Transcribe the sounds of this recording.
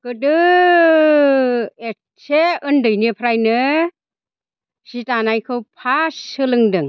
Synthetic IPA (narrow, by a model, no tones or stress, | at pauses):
kɯdɯ | e | sʰeɯndɯjnipʰɾajnɯ | sitanajkʰɯwpʰasɯlɯŋdɯŋ